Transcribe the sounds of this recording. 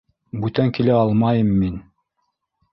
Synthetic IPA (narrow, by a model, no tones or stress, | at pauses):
bʉt̪æŋkilæɑlˠmɑjɤmːin